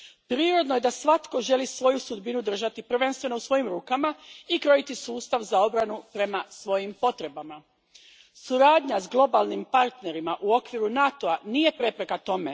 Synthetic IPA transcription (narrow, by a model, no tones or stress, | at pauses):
pɾiːɾo̞d̪no̞je̞d̪asʋat̪koʒe̞lisʋo̞jusud̪binud̪r̩ʒat̪ipr̩ʋe̞nst̪ʋe̞no̞usʋo̞jimɾuːkamaikɾo̞it̪isuːst̪aʋzao̞bɾanupɾe̞masʋo̞jimpo̞t̪ɾe̞bama | suɾaːd̪ɲazɡlˠo̞balˠnimpaɾt̪ne̞ɾimaʔuo̞kʋiɾunat̪oanije̞pɾe̞pɾe̞kat̪o̞me̞